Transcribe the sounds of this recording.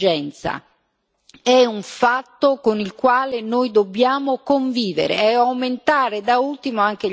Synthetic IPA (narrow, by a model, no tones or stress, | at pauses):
d͡ʒɛnt̪sa̰ | ɛuɱfat̪ːokonilkwaːlenojd̪obːjaːmokoɱviːvḛɾḛɛawment̪aːɾed̪ault̪imoaŋk̟e